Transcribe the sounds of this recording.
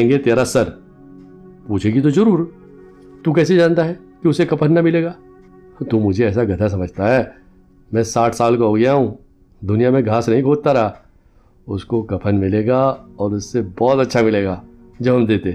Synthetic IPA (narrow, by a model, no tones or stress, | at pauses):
ŋɡet̪eːɾasɐɾ | puːt͡ʃʰeɡit̪̬ozɐɾuːɾ | t̪ukɛːs̬ed͡ʒãːnt̪aɦɛː | kiʊsekɐpʰənːɐmɪleːɡaː | t̪uːmʊd͡ʒʱeɛːsaɡʱɐt̪ʰas̬ɐməd͡ʒʱt̪aɦɛː | mɛ̃ːsaːʈʰsaːlkoɦoːɡjaɦũ | d̪ʊnijamẽɡʱaːsnɐɦĩkʰoːt̪aɾɐa | ʊskokɐpʰənmɪleːɡaɔːɾʊsːebɔːt̪ɐtːʃʰamɪleːɡaː | d͡ʒɐbɦɐmd̪eːt̪e